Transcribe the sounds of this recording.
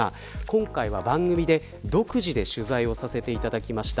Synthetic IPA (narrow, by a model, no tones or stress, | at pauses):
a | kõ̞ŋkaiβabãŋɡɯ̟mʲid̪e̞ | d̪o̞kɯ̟ʑid̪e̞ɕɨzaio̞sase̞t̪e̞it̪ad̪akʲimaɕi̥t̪a